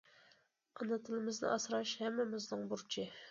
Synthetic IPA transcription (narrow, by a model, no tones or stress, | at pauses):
ɑnɨt̪ʰɨlɪmɪznɨ̰ʔɑsɾɑʃhɛmːɪmɪznɨŋbuɾt͡ʃʰɪ